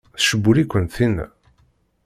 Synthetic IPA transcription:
θʃəbːulikʷːənθin

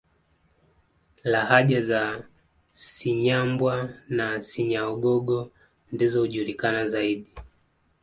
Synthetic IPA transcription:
lahaʄaza | siɲambwanasiɲaɔɡɔɡɔ | ndizɔhuʄuɾikanazaiɗi

